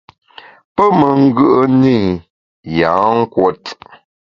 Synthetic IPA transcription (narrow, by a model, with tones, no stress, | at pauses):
pə˦mə˨ŋ̩˦ɡʉ˦ʔə˦ni˦˨ | jã˨˦ŋ̩˦kwo˦t